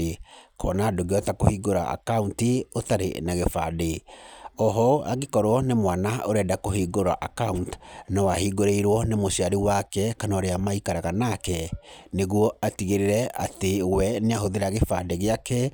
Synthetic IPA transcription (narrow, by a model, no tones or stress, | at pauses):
ekʰɔ̰ːnadoɡeɔtakohiːɡoɾa̰ʔa̰kauntiotaɾḛnaɣefa̰deɔɦɔa̰ɡekɔɾwɔnemwanaoɾɛdakohiːɡoɾa̰ʔakauntnɔwahiɡoɾeiɾwɔnemoɕiaɾiwakɛkanɔɾeamaikaɾaɣanakɛneɣwɔatiɣeɾeɾɛa̰tewɛneaɦoðeɾaɣefadeɣeakɛ